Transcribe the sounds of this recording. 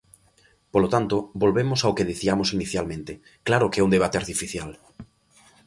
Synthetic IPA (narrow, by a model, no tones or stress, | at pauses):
polot̪ant̪obolβemosaokeðiθiamosiniθjalmẽnt̪e | klaɾʊkeɛund̪eβat̪eaɾt̪ifiθjal